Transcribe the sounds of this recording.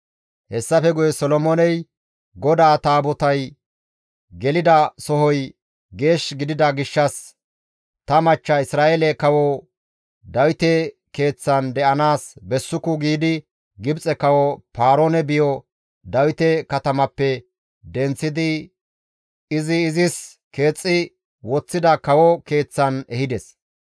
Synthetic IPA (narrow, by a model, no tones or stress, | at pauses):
hɛsːɐfɛɡʊjɛsɔlɔmoːnɛj | ɡɔd̪aːt̪aːbɔt̪ɐj | ɡɛlɪd̪ɐsɔɦɔj | ɡe̞ːʃɡɪd̪ɪd̪ɐɡɪʃːɐs | t̪ɐmɐt͡ʃːɐɪsɾaːʔɛlɛkɐwɔ | d̪ɐwɪt̪ɛ | ke̞ːt͡sːɐnd̪ɛʔɐnaːsbɛsːʊkːʊɡiːd̪ɪ | ɡɪbt͡sʼɛkɐwɔpaːɾoːnɛbɪjɔ | d̪ɐwɪt̪ɛkɐt̪ɐmɐpːɛ | d̪ɛnt͡sːɪd̪ɪ | ɪzɪːzɪs | ke̞ːt͡sʼːɪ | wɔt͡sːɪd̪ɐkɐwɔke̞ːt͡sːɐnɛhɪd̪ɛs